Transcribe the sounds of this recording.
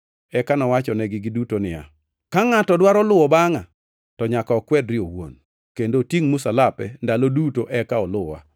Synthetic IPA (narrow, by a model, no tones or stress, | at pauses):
ɛkanɔwat͡ʃɔnɛɡɪɡɪdutonɪja̰ | kaŋatɔdwaɾɔlʊwɔbaŋa | tɔɲakɔːkwɛdɾɪowo̰n | kendotjiŋmʊsalapɛndalodutoʔɛkaɔlʊa̰